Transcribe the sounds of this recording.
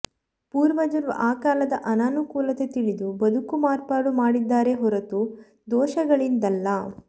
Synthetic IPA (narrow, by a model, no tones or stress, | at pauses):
puːɾʋɐd͡ʒɐɾʋɐ̰ʔaːkaːlɐd̪ɐʔɐnaːnukuːlɐt̪et̪iɭid̪ubɐd̪ukumaːɾpaːɽumaːɽid̪ːaːɾeɦɔɾɐt̪u | d̪ɔːʃɐɡɐɭind̪ɐlːɐ